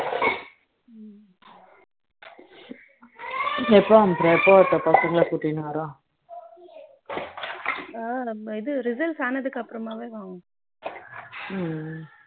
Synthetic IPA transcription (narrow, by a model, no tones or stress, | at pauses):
ɛpːoɐmpɾeɛpːoːɐt̪ːɐpɐsɐŋɡɐɭapuʈːinːɯʋɐɾõː | ɪðɯɾɪzɐlʈsaːnɐðɯkːɐpːɯɾɐmaːʋeːʋãːŋ